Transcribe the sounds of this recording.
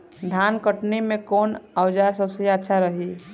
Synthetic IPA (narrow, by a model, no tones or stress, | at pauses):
d̪ʱaːnkəʈnimẽkoːnəwd͡ʒaɾsəbseətːʃʰaɾəɦi